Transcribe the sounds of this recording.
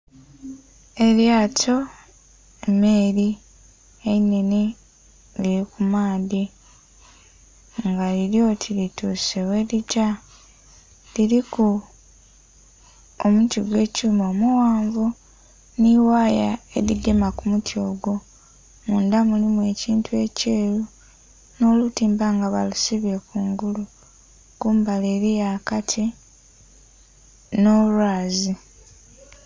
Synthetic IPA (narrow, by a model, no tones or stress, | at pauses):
e̞ljaːtʰo̞ | emeːɾi | eine̞ni | liɾikumaːdi | ŋɡaliɾjo̞tʰilituːsewe̞lica | liɾiku | omutiɡwe̞ːcuumo̞ːmuwaːɱvu | niwaːjae̞ɾiɡemakumutʰo̞ːɡo̞ | muːndamulimwe̞ciːntue̞ce̞ːɾu | no̞lutiːmbaŋɡaβa̰lusiβe̞kuːŋɡulu | kuːmbaleːɾijaːkatʰi | no̞lwaːzi